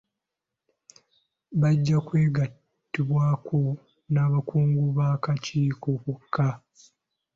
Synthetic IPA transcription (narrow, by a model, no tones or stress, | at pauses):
βaɟːakwe̞ːɡa | tːiβwaːkʰo | naːβakuːŋɡuβaːkaciːkokukʰːa